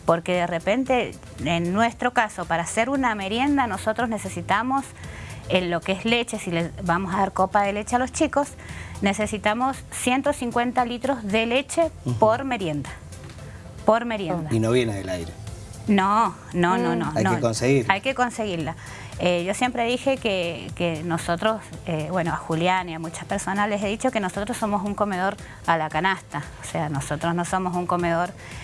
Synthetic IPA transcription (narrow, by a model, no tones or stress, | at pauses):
poɾkeðerepe̞nt̪e̞ | enːwe̞st̪ɾo̞kasopaɾase̞ɾuname̞ɾje̞nd̪ano̞so̞t̪ɾoznese̞sit̪amo̞senlo̞keezlet͡ʃe̞silesβamosaðaɾkopaðe̞le̞t͡ʃealo̞st͡ʃikos | ne̞sesit̪amosːjent̪o̞siŋkwent̪alit̪ɾo̞zðele̞t͡ʃepo̞ɾme̞ɾje̞nd̪a | poɾme̞ɾjend̪ainoβjeneðelajɾeno | nononoajnoekonseɣiɾajkeko̞nse̞ɣiɾla | eʒo̞sje̞mpɾe̞ðixekekenosot̪ɾo̞seβwe̞noaxuljaniamut͡ʃḁpe̞ɾso̞nasleseðit͡ʃo̞ke̞noso̞t̪ɾoso̞mosuŋko̞me̞ð̞o̞ɾ | alakanast̪aoseano̞so̞t̪ɾoznoso̞mo̞suŋko̞me̞ðo̞ɾ